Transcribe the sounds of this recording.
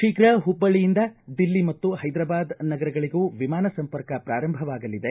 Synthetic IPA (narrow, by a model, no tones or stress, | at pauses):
ʂiːkɾɐɦubːɐɭijind̪ɐd̪ilːimɐt̪ːuɦɐjd̪ɾɐbaːd̪nɐɡɐɾɐɡɐɭiɡuːʋimaːnɐsɐmpɐɾkɐpɾaːɾɐmbʱɐʋaːɡɐlid̪e